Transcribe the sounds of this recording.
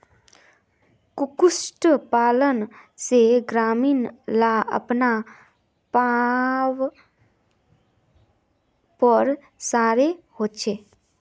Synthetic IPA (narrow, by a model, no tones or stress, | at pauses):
kʊkʊsʈpaːlənseɡɾaːmiːnlaə̰pna | paw | pəɾ | saːɾehoːt͡ʃʰeː